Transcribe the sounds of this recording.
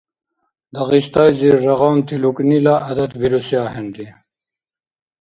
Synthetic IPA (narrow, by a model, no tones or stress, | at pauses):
d̪ɐɣiɕt̪ajziʐɐʁaːnt̪ʰiluknilaʔɐd̪ɐt̪biɾusjaːɦeɳɖi